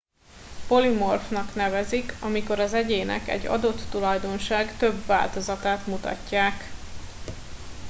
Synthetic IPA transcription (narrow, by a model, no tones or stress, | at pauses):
po̞limo̞rfnɒknɛvɛzikɒmiko̞ɾɒzɛɟeːnɛ̰kɛ̰ɟːɒ̰d̪o̞t̪ːulɒjd̪o̞nʃaːɡt̪ø̞bva̰ːlt̪o̞zɒt̪aːt̪mut̪ɒ̰cːaːk